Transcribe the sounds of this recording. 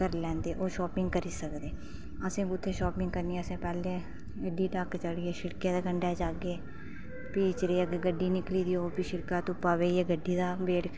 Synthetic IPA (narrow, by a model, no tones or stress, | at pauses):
kəɾlɛ̃ːnd̪eːʔoːʃɔːpɪŋɡkəɾiːsəkd̪eː | əsẽːkʊt̪ʰːeːʃoːpɪŋɡkəɾnieəsẽːpɛːlẽː | ɡəɖiːʈakt͡ʃəɽiːeːʃɪɽkeːd̪eːɡəɳɖɛːd͡ʒaːɡeː | piːt͡ʃɾeːəɡeɡəɖiːnɪkliːd̪iːoːpiʃɪɾkaːt̪ʊpːaːʋeːeːɡəɖːiːd̪aːbeːɽ